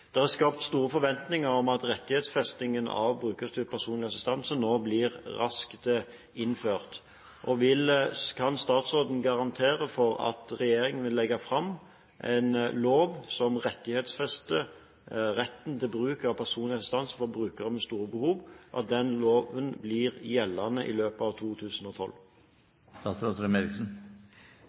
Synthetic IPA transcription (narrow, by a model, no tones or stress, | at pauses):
d̪̥ɛhæskɑːpt̪st̪uːɾəfɔɾʋɛnt̪nɪŋəɾɔmɑt̪ɾɛt̪ːɪhɛːt̪sfɛst̪ɪŋənɑ̰ʋbɾʁʉːkəsd̪ʉpʰæʁsuːnlɪɑsɪst̪ɛnsənoːblɪʁʁɑskt̪ə | ɪnføːʁt̪ | ʔɔʋɪlkʰɑnst̪ɑːt̪sʁoːd̪n̩ɡɑʁɑnt̪ʰeːɾəfɔɾɑ̰t̪ʁɛjeːɾɪŋənʋɪlːɛɡːɑfʁɑm | ʔɛ̰ɪnloːʋsɔmʁɛt̪ːɪheːt̪sfɛst̪ə | ʁɛt̪ːnt̪ʰɪlbʁʉːkɑʋpʰæʁsuːnlɪɑst̪ɑnsfɔbɾʉːkəʁəmɛst̪uːʁəbəhuːʋʔɑ̰t̪̚d̪ɛnloːʋənblɪːʁjɛlːɑnəʔɪ̰løːpəɑʋt̪ʰuːt̪ʰʉːsən̩ɔt̪ʰɔ̰l | st̪ɑːt̪sɾoːt̪əɾəmelɪksn̩